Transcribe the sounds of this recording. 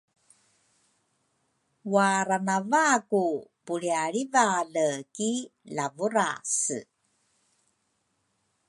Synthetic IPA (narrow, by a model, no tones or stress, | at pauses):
waɾanavakupuɭiaɭivaləkilavuɾasə̰